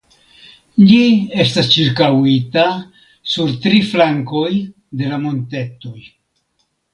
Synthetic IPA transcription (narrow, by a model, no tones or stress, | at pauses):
lie̞stast͡ʃiɾkawita | suɾtɾiflaŋko̞j | de̞lamo̞nte̞to̞j